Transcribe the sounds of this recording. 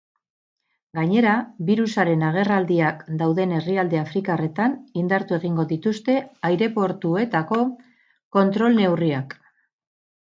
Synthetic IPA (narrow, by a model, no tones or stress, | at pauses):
ɡaɲe̞ɾaβiɾusaɾe̞naɣ̞e̞rald̪iakd̪awðe̞ne̞riald̪e̞afɾikare̞t̪anind̪aɾt̪ue̞ɣ̞iŋɡo̞ðit̪ust̪e̞ajɾe̞po̞ɾt̪ue̞t̪ako̞ | ko̞nt̪ɾo̞lne̞wriak